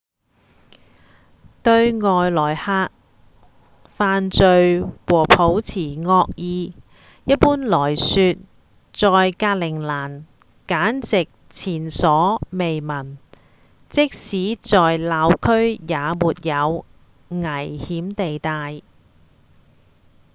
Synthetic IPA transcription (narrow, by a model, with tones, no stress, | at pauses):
t̪ɵ˧ɥŋɔː˨jlɔː˨˩jhaː˧k̚ | faː˨˧nt͡sɵ˨˧ɥwɔː˨˩pʰo˨˥wt͡sʰiː˨˩ŋɔː˧k̚jiː˧ | jɐ˥t̚puː˥nlɔː˨˩jsyː˧t̚ | t͡sɔː˨jkaː˧t̚lɪ˨˩ŋlaː˨˩n | kaː˨˥nt͡sɪ˨k̚t͡sʰiː˨˩nsɔː˨˥me˨jmɐ˨˩n | t͡sɪ˥k̚siː˨˥t͡sɔː˨jlaː˨˧wkʰɵ˥ɥjaː˨˧muː˨˩t̚jɐ˨˧w | ŋɐ˨˩jhiː˨˥mt̪e˨jt̪aː˧j